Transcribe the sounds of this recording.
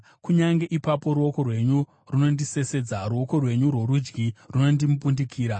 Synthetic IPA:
kuɲaŋɡe̞ʔipapo̞ɾuo̞ko̞rwe̞ɲu | runo̞ndise̞se̞d͡zaruo̞ko̞rwe̞ɲurwo̞ɾud͡ʒɡiruno̞ndimup̬undikʰiːɾa

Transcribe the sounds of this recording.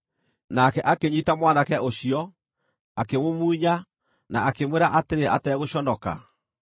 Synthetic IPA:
nakɛʔakeɲitamwaːnakɛʔoɕiɔ | akemomuːɲa | naːkemweɾaʔateɾeʔa̰tɛːɣoɕɔnɔka̰

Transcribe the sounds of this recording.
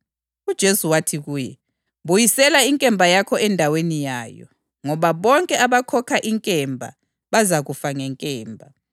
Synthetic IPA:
ud̥ʒ̥ʱesuwatʰiɣuːjɛ | βujisɛlaiŋkʼɛmbʱajakʰɔɛndʱawenijaːjɔ̰ | ŋɔβaβɔŋkʼɛaβakʰɔkʰaʔiŋkʼɛmbʱa̰ | βazaɣufaŋɛŋkʼɛːmbʱa

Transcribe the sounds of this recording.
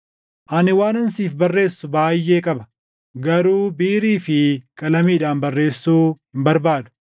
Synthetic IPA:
ʔɐnɪwaːnɐnsiːfbɐrːe̞ːsːʊbaːjːe̞ːkʼɐbɐ̥ | ɡɐɾuːbiːɾiːfɪkʼɐlɐmiːᶑaːnbɐrːe̞ːsːuːhɪmbɐɾbaːd̪ʊ̥

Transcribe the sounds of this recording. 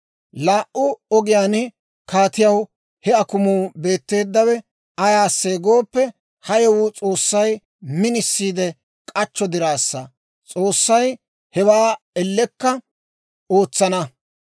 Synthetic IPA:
laːʔʔʊɔɡɪjaːnɪ | kaːt̪ɪjɐw | hɛɐkʊmuːbe̞ːt̪ːe̞ːd̪ːɐwɛ | ɐjaːsːeːɡo̞ːpːɛ | hɐjɛwʊt͡sʼo̞ːsːɐj | mɪnɪsːiːd̪ɛ | kʼɐt͡ʃːɔd̪ɪɾaːsːɐ | t͡sʼo̞ːsːɐj | hɛwaː | ɛlːɛkːɐ | o̞ːt͡sːɐnɐ

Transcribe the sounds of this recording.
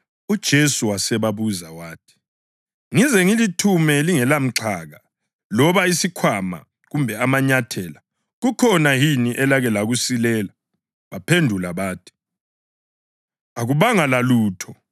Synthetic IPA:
ud̥ʒ̥ʱesuwasɛβaβuzawaːtʰi̥ | ŋizɛŋilitʰumɛliŋɛlam̩ǁʰaːɣa | lɔβaisikʰwama̰ | ɣumbʱɛamaɲatʰɛla | ɣukʰɔnajiniʔɛlaɣɛlaɣusilɛla | βapʰendʱulaβaːtʰi̥ | aɣuβaŋalaluːtʰɔ

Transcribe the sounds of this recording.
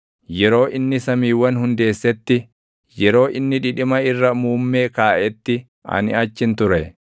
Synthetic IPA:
jɛɾo̞ːʔɪnːɪsɐmiːwːɐnhʊnd̪e̞ːsːɛt̪ːɪ | jɛɾo̞ːʔɪnːɪᶑɪᶑɪmɐɪrːɐmuːmːe̞ːkaːʔɛt̪ːɪ | ʔɐ̰nɪ̰ɐt͡ʃːɪnt̪ʊɾɛ

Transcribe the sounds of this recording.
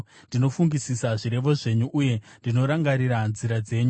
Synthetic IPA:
ndino̞fuŋɡisisaʐiɾe̞ʋo̞ʐe̞ɲuʔːje̞ndino̞ɾaŋɡaɾiɾanziɾad͡ze̞ːɲu

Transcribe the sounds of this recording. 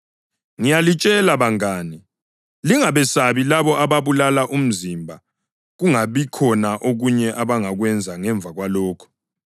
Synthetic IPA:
ŋijalit͡ʃʼɛlaβaŋaːni | liŋaβɛsaβilaβɔʔaβaβulalaʔum̩zimbʱa | ɣuŋaβikʰɔnaʔoɣuɲɛʔaβaŋaɣwɛnd͡zʱaŋɛɱb̪vʱaɣwalɔːkʰɔ̥

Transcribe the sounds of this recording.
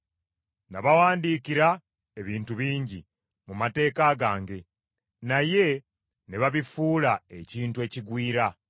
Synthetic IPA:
naβawaːndiːkiɾa | e̞βiːntuβiːɲɟi | mumate̞ːkaɡaːŋɡe̞ | naje̞ | neβaβifuːlae̞ciːntuwe̞ːciɡwiːɾa

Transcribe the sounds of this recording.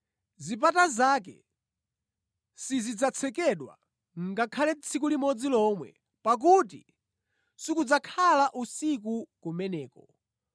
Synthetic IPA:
zip̬atazaːk̬ɛ̰ | sizid͡zat͡sʰɛkɛɗwa̰ | ŋ̩ɡakʰalɛt͡sʰikulimɔd͡zilɔmwɛ̰ | pak̬utḭ | sikud͡zakʰalaʔusikukumɛnɛːkɔ

